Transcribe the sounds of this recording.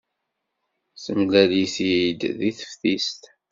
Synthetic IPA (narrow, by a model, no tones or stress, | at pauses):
səmlæliθid̪ðiθə̥fθist̪